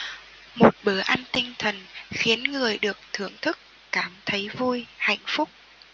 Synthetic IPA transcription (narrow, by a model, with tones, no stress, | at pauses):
mo˨˩t̚ɓə˧˩ʔaː˧nt̪ï˧ŋ̟t̪ʰə˨˩nxi˨˦ənŋɨ˨˩əjɗɨ˨˩ək̚t̪ʰɨ˧˩əŋt̪ʰɨ˦˥k̚ːaː˧˩mt̪ʰə˨˦jvu˧jha̰˧˨jŋ̟fʊ˦˥k͡p̚